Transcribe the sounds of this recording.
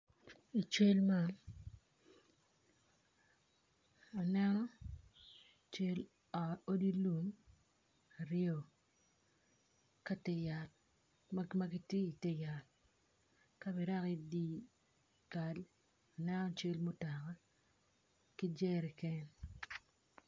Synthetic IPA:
i˨t͡ʃe˦lma˦n | o˨nɛ˦nɔ˦ | t͡ʃe˦l | ɔ˨o˦di˦lu˨m | a˨ɾɪɔ˨ | ka˦tɛ˦ja˨t | ma˦ɡi˦tje˦i˨te˦ja˨t̚ | ka˦bi˨ɾa˦ki˦di˦ | ka˨l | o˨nɛ˦nɔ˦t͡ʃe˦lmo˦ta˨ka˦ | ki˦d͡ʒɛ˦ɾɛ˨kɛ˦n

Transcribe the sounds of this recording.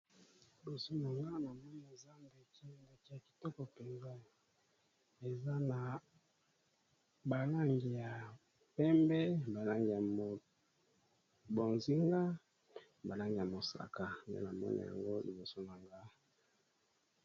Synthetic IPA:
li˨bo˨so˦na˨ŋɡa˦na˨mɔ˦ni˨a˨za˦mbe˨ki˦˨nde˨ki˦ja˨ki̥˨tɔ˦kɔ˨pe˨nza˦ | e˨za˦na˨ | ba˨la˦ŋɡi˨ja˨ | pɛ˦mbɛ˦ba˨la˦ŋɡi˨ja˨mo˨ | bo˨nzi˦ŋɡa˦ | ba˨la˦ŋɡi˨ja˨mo˨sa̰˨ka˨ndḛ˦na˨mɔ̰˦nḭ˨a̰˨ŋɡo˦lḭ˨bo˨so˦na˨ŋɡa˦

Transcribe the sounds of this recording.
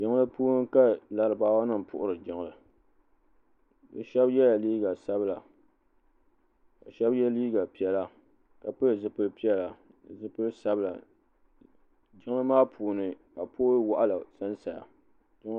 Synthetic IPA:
d͡ʒɪ˨ŋ˦lɨ˦puː˦ŋ˦ka˦la˨ɾɨ˨baː˦wa˦nɨ˦m˨pʰʊ̰˨ʔʊ˦ɾɨ˨d͡ʒɪ˨ŋ˨lɨ˨ | dɨ˨ʃɛ˦bjɛ˦ja˨liː˦ɡa˨sa˦bɨ˦la˨ | ka̰˨ʃɛ˦bjɛ˦liː˦ɡa˨pi˦ɛ˦la˨ | ka˨pɨ˦lɨ˨zɨ˨pɨ˦lpi˦ɛ˦la˨ | ɨ˨zɨ˦pɨ˦lɨ˦sa˦bɨ˦la̰˨ | d͡ʒɪ˦ŋ˦ɨ˦maː˦pʰuː˨nɨ˨ | a˨poː˦wa˨ʔa˦la˨sa˦nsa˨ja̰˨ | d͡ʒɪ˦ŋ˦

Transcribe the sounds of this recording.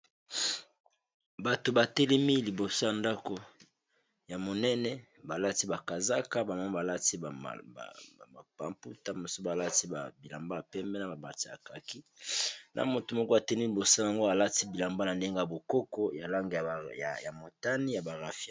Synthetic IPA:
ba˨to˨ba˨tɛ˦le˦mi˦li˨bo˨so˦ja˨nda˦ko˨ | ja˨mo˨nɛ˦nɛ˦ | ba˨la˦ti˦ba˨ka˨za˦ka˦ba˨ma˦ba˨la˦tḭ˦˨ | pa̰˨mpu˦ta˦mo˨so˦ba˨la˦ti˦ba˨bi˨la˨mba˦ja˨pɛ˦mbɛ˦na˨a˨ba˨ti˦ja˨ka˨ki˦nʔa̰˨mo˨to˨mɔ˦ko˦a˨tɛ˦ni˦li˨bo˨so˦ja˨ŋɡo˦a˨la˦ti˦bi˨la˨mba˦na˨nde˦ŋɡa˦a˨bo˨ko˦kɔ˦ja˨la˦ŋɡe˨a˨ja˨mo˨ta˦ni˦ja˨ba˨ʁa˨fi˦a˦˨

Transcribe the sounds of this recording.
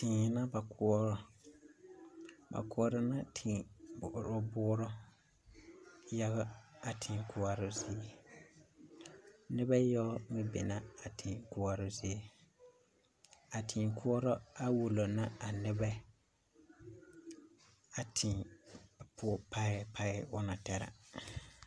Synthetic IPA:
tɪ˨na˦ba˨kʰʊ˨˦ɔ˦ɾɔ˨ | ba̰˨kʊ˦ɔ˦ɾɔ˦na˦tʰɪ˨bɾɔ˦bʊ˦ɾɔ˦ | ja˦ɣa˦a˨tʰɪ˨kʊ˦a˨ɾʊ˦zɪ˦e˦ | nɪ˦ba˦jɔ˦mɪ˦bɛ̰˨na˦a˨tʰɪ˨kʊ˦a˦ɾʊ˦zi˦e˦ | a˨tʰɪ˨kʰʊ˦ɔ˦ɾɔ˦a˦wu˨lo˨na˦a˨nɪ˦bɛ˦ | a˨tʰɪ˨ | pʰʊ˦pa˦ɪ˨˦pa˦ɪ˦ʊ˦na˨tɛ˨ɾa̰˨

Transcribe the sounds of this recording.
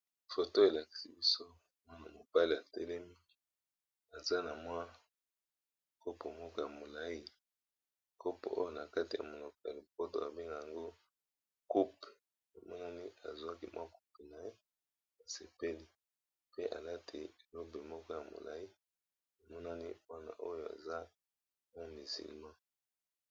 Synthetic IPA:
fo˨to˦e˨la˨ki̥˨si˨bi˦so˦ | mwa˦na˨mo˨ba˦li˨a˨tɛ˦lɛ˦mi˦ | a˨za˦na˨mwa˦ | kʰo˦po˨mɔ˦kɔ˦ja˨mo˨la˦i˦˨ | ko˦po̰˨ʔo̰˦jo˦na˨ka˦ti˨ja̰˨mo˨lo˨ko˨a̰˨lo˨po˦to̰˨a˨be˦ŋɡa˨ja˨ŋɡo˦ | ku˦pe˨ | a˨mɔ˦na˦ni˦a˨zwa˦ki˦mwʔa˦ku̥˦pe˨na˨je˦ | a˨se˨pe˦li˦ | pe˦ʔa̰˨la˦tʰḛ˨lo˦be˨mɔ˦kɔ˦ja˨mo̰˨la̰˨i˦ | a˨mɔ˦na˦ni˦ba˦na̰˨ʔo˦jo˨a̰˨za˦ | mɔ˦mi˨zḭ˨lmã˦

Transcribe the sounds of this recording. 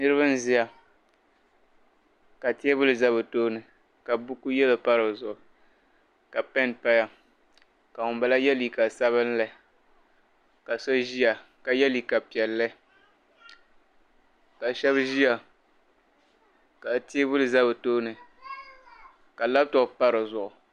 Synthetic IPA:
nɨ˦ɾɨ˦βa˦n˦zi˦ja˨ | ka˨ti˦ɛ˦bʊ˦lɨ˨za˦βɨ˨toː˦nɨ˨ | ka˨bʊ˦ku˦jɛ˦la˨pa˦ɾɨ˨zʊ˨ʔʊ˨ | ka˨pɛ˦npa˦ja˦ | ka˨ʊ˨mba˨la˦jɛ˦li˨ka˨sa˦βɨ˦n˦la˨ | ka˨so˦ʒi˦a˨ka˨jɛ˦li˨ka˨pi˨ɛ˨lːɨ˦ | ka˨ʃɛ˦bʒi˦a˨ | ka˨ti˦e˦bʊ˦lɨ˨za˦bɨ˨toː˦nɨ˨ | ka˨la˦b̚tʊ˨pa˦ɾɨ˨zʊ˨ʔʊ˨

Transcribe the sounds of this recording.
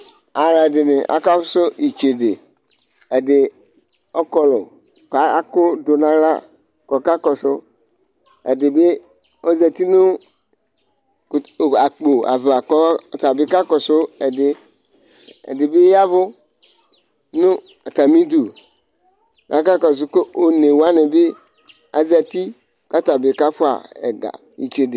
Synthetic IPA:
a˨la˨dɪ˨nɪ˨ʔa̰˨ka˦fʊ˦sʊ˦i˨t͡ʃe˨dɪ˨ | e˨dɪ˨ | ɔ˦kɔ˨lʊ˨ | ka˨˦kʊ˦dʊ˨nã˨˦la˦ | kɔ˨ka˦kɔ˨sʊ˦ | ḛ˨dɪ˨be˦ | o˦zɛ˨t̪i˦nʊ̃˦˨ | a˨k͡po˨a̰˨va˨kɔ˦˨t̪a˨bɪ˦ka˦kɔ˨sʊ˦ɛ˨dɪ˨ | ɛ̰˨dɪ˨be˦a˦vʊ˦ | nʊ̃˦ | a˨t̪a˨mĩ˦d̪o˨ | ka˨˦ka˦kɔ˨s̬ʊ˦ko˦o˨ne˨wa˦nɪ˨be˦ | a̰˨zɛ˨t̪i˦ | ka˦t̪a˨bɪ˨ka˦fʊ˦a̰˨ɛ̰˨ɡa̰˨ | i˨t͡ʃe˨dɪ˨

